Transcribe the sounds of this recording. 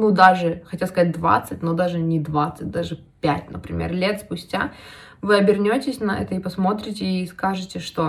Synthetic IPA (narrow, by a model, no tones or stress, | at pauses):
nud̪aʐɨxɐtʲjaskɐzat̚ʲd̪va̰t̪sɨtʲnod̪aʐɨnʲɪd̪vat̪sɨt̚ʲd̪aʐɨ | pʲætʲnəpɾʲɪ̰mʲḛrlʲe̞t̪spʊsʲtʲa | vɨɐbʲɪrnʲo̞tʲɪsʲnɐɛ̰t̪əipɐsmo̞t̪ɾʲɪtʲɪiskaʐɨtʲɪʂt̪o